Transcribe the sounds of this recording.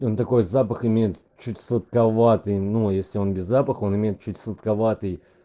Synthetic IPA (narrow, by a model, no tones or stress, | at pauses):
o̞nt̪ɐko̞jzapəxɪmʲejɪt̪ | t͡ɕːutʲsət̪̚kɐvat̪ɨjnujesʲlʲɪo̞nbʲɪzːapəxo̞nɨmʲejɪt̪̚t͡ɕʉtʲsˠət̪kɐvat̪ɨj